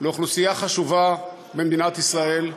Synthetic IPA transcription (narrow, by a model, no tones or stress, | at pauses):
leoχlusijaχaʃuva | bemd̪inat̪isʁae̞l